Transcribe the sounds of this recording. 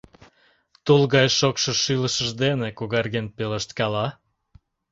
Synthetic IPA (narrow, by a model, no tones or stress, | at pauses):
t̪ulɣɑjʃokʃɤʃyləʃəʒd̪enekuɣɑrɣenpeləʃt̪kɑlɑ